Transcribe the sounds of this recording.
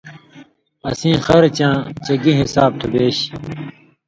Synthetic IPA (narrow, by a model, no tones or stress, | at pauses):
ɐsĩːxɐɾt͡ɕãːt͡ɕɐɡiɦisaːb̚t̪ʰubeːɕ